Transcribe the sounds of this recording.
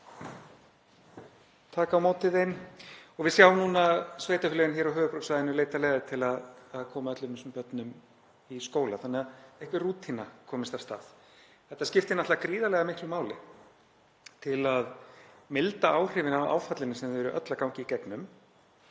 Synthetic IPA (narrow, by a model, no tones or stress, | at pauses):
t̪ʰaːkawmoːwt̪ɪðejnɔɣvɪðsjawnuːnasveːjt̪afɪlɛɣɪnçɛːɾaɦœːvʏpɾɔwsvajðɪnʏleːjt̪alɛɣɪt̪ʰɪlaðːðkʰɔːmaœt̪lʏmɪnsʏmpœt̪nʏm | iskoːwlaθanːɛaðɛhkvɪruːt̪ʰinakʰɔːmɪst̪ḁst̪a̰ːð̥ | θɛht̪ascɪft̪ɪnaht̪aakɾiːðalɛɣamɪhklʏmaːwlɪ | t̪ʰɪlaðmɪlt̪aaːwr̥ɪːvɪnawa̰ːwfat̪lɪnɪsɛmvɛɾʏʔœt̪lakawɲcɪicɛknʏm